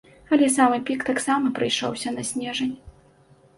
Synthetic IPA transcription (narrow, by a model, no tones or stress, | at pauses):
ɐlʲɛsamɨpʲikt̪aksamɐpɾɨjʂɔ̰wsʲɐnɐsʲnʲɛʐɐnʲ